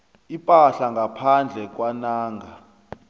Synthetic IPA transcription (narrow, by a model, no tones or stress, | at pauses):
ipʼaɬaŋɡʱapʰand͡ɮʱɛk̬ʼwanaːŋɡʱa